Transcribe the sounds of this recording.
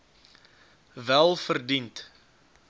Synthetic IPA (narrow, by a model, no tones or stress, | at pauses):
vælˠfərdint